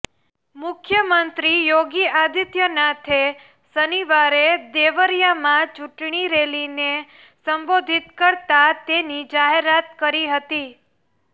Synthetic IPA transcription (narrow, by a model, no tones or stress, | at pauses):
mʊkʰjəmənt̪ɾijoɡiad̪ʱit̪jənat̪ʰe | səniʋaɾed̪eʋəɾjamãt͡ʃuʈɳiɾeline | səmbod̪ʱit̪kəɾt̪at̪enid͡ʒaɦeɾat̪kəɾiɦət̪i